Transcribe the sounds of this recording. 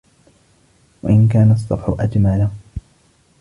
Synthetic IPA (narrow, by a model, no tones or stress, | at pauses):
wa̰ʔɪnk̬aːnasˤːɑfʕʊʔad͡ʒmala